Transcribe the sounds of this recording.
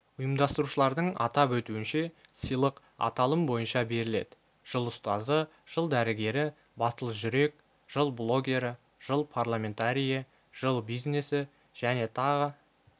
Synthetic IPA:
ʊjəmd̪ɑst̪əɾuʃəlˠɑɾd̪əɴɑ̰t̪ɑpwɵt̪uɪnʃe̞səjlˠəq | ɑ̰t̪ɑlˠəmbo̞jənʃɑbe̞ɾɪle̞̰d̪ɪ | ʒ̥əlˠʊst̪ɑzə | ʒ̥əlˠd̪æɾɪɡʲe̞ɾɪ | bɑt̪əlˠəʒʏɾe̞k̚ | ʒ̥əlˠblˠo̞ɡʲe̞ɾɪ | ʒ̥əlˠpʰarlˠamʲe̞nt̪aɾʲijə | ʒ̥əlˠbijzne̞sɪ | ʒ̥æne̞t̪ʰɑʁə

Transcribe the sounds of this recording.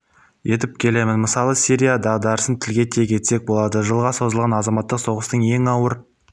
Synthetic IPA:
je̞t̪ɪp̚kʲʰe̞le̞mɪnməsɑlˠəsiɾʲijad̪ɑʁd̪ɑɾəsənt̪ʰɪlɡʲe̞t̪ʰe̞kʲʰe̞t̪se̞k̚bo̞lˠɑd̪əʒəlˠʁɑso̞zəlˠʁɑnɑzɑmɑt̪ːəqso̞ʁəst̪əɴje̞ŋɑwəɾ

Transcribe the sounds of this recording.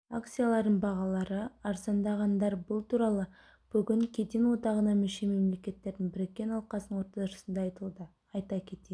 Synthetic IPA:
akt̪sijalˠɑɾd̪əɴbɑʁɑlˠɑɾəɑɾsɑnd̪ɑʁɑnd̪ɑɾbʊlˠt̪ʰuɾɑlˠə | b̥ʏɡʲɪŋkʲʰe̞d̪enwo̞d̪ɑʁənɑmʏʃe̞me̞mle̞kʲe̞t̪ːe̞ɾd̪ɪŋbɪɾekʲːe̞nɑlˠqɑsənəɴwo̞ɾt̪ɑt̪ʊʃəsənd̪ɑɑjt̪əlˠd̪ə | ɑjt̪ɑkʲʰe̞t̪e

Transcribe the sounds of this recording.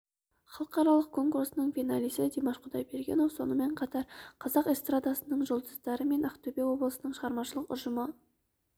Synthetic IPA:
χɑlˠəqɑɾɑlˠəq̚kʰo̞ŋkuɾsənəɴfinalijsəd̪ʲemɑʃqʰʊd̪ɑjbeɾɡʲe̞̰nowso̞̰nəme̞ɴqʰɑt̪ɑɾqʰɑzɑqest̪rad̪asənəɴʒolˠd̪əzd̪ɑɾəme̞naqt̪obewo̞blˠəsənəɴʃəʁɑɾmɑʃəlˠəqʊ̰ʒəmə

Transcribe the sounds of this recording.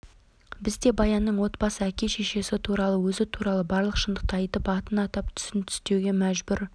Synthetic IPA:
bɪzd̪e̞bɑjɑnːəɴwo̞t̪bɑsəækʲe̞ʃeʃe̞sɪt̪ʰuɾɑlˠəwɵzɪt̪ʰuɾɑlˠəbɑɾlˠəqʃənd̪əq̚t̪əɑjt̪əpɑt̪ənɑt̪ɑp̚t̪ʰʏ̥sɪnt̪ʰʏ̥st̪e̞wɡʲe̞mæʒbʏɾ

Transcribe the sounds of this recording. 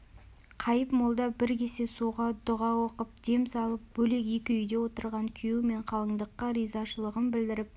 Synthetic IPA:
qʰɑjəpmolˠd̪ɑbɪɾkʲe̞se̞suʁɑd̪ʊʁɑwo̞qəp̚d̪̥e̞msɑlˠəp̚bɵle̞kekʲɪʏjd̪e̞wo̞t̪əɾʁɑŋkʲʰʏjuwme̞ɴqʰɑlˠəɴd̪əqːəɾijzɑʃəlˠəʁənbɪld̪ɪɾɪp̚

